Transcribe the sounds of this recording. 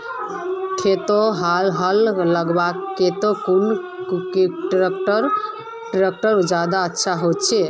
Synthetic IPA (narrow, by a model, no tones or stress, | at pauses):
t̪ʰet̪oɦalɦəlːəɡbakːet̪okun | keʈɾekʈəɾ | ʈɾek̚ʈəɾd͡ʒad̪aətːʃʰaɦot̪t͡ʃʰɛ